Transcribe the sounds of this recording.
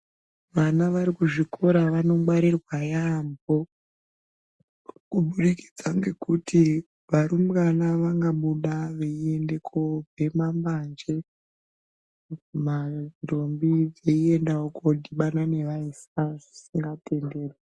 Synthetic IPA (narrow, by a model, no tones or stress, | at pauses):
ʋanaʋaɾikuʐikʰo̞ɾaʋano̞ŋɡwaɾirwajambo̞ | kuɓuɗiki̥d͡zaŋɡe̞kutʰi | ʋaɾumkanaʋaŋɡaɓuɗaʋeie̞nde̞kʰo̞bʱe̞mamband͡ʒe | mairo̞mbid͡zeie̞ndaokodʱiɓanane̞ʋaisaʐisiŋɡatʰe̞nde̞ːrwe